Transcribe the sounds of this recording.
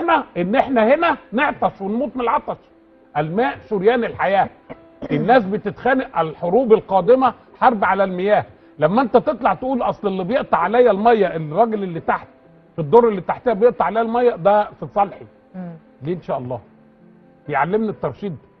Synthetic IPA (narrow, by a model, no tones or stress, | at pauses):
næʔenːʔeħnæhenæneʕt̪ˤɑʃwenmuːt̪ˤmelʕɑt̪ˤɑʃ | ʔælmæːʔʃoɾjæːnelħajæː | ʔenːæːsbet̪et̪xæːneʔælħoɾuːbelqɑːd̪ɪmæ | ħɑɾˤbʕalælmɪjæːh | læmːæʔent̪æt̪et̪ˤlɑʕt̪eʔuːlʔɑsˤlelːibjeʔt̪ˤɑʕalæjːælmæjːæʔelrˤɑɡelelːit̪aħt̪ | fid̪ˤːoɾˤːelːit̪aħt̪ehæbjeʔt̪ˤɑʕalæjælmæjːæd̪æfisˤɑlħi | liːʔenʃæːʔɑlˤːɑ̰ː | b̥ejʕalːemnit̪ːɑɾˤʃiːd̪